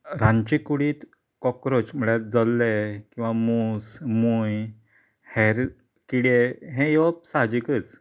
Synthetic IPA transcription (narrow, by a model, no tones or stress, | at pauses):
ɾãɲt͡ɕikuɽiːt̪ | kɔkɾot͡ɕm̤əɭɛd͡zɔlːekĩw̃ʋamusmuj | hɛɾ | kiɽeɦẽjeʋp̚sad͡ʑikət͡s